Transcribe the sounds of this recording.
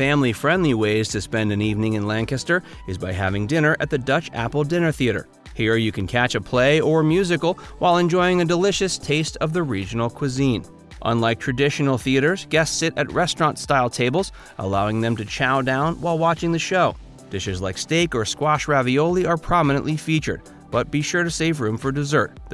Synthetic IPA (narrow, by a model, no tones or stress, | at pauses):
fæ̃mlifɹɛ̃ndˡliweɪz̥tʰɨspɛ̃ndɨ̃nivnɪ̃ŋɨ̃nlæ̃ŋkɨstə˞ | ɨzbaɪɦæ̰vɪ̃ŋdɪ̃nə˞ʔɨ̰t̪̚ðɨdʌt͡ʃæ̰pl̩ˠdɪ̃nə˞θiɨɾə̰˞ | hiɹjɨkʰɨ̃nkʰæt͡ʃɨpʰl̥eɪə˞mjʉzɨkl̩ˠ | waɪlˠɨ̃nd͡ʒɔɪɪ̃ŋɨdəlɪʃɨstʰeɪstʰʌvðɨɹid͡ʒɨn̩l̩ˠkʰw̥ɨzĩn | ʔʌ̰̃nlaɪk̚tʰɹ̥ɨdɪʃn̩l̩ˠθiɨɾə˞zɡɛssɪɾɨ̰t̚ɹɛstɹ̥ɑ̃ntstaɪlˠtʰeɪbl̩ˠz̥ | ʔə̰laʊɪ̃ŋðɨ̃mtɨt͡ʃʰaʊdãʊ̃nwaɪlˠwɑt͡ʃɪ̃ŋðɨʃoʊ | d̥ɪʃɨzlaɪksteɪkə˞skwɑʃɹævioʊlˠiə˞pʰɹ̥ɑmənə̃nʔlifit͡ʃə̰˞d̚ | b̥ʌt̚b̥iʃʊɹɾɨseɪvɹʉ̃ɱfə˞dɨzɜ˞t̪̚